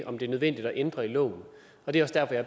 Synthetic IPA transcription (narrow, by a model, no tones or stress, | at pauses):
ʔɒ̽md̥e̝æɐnøðˠʋen̰d̥id̥ɒʔend̥ʁɐilɔ̰ːʊn̩ | ɒ̽d̥e̝æɐɒ̽sd̥æɐfɒjɑ̈ɐ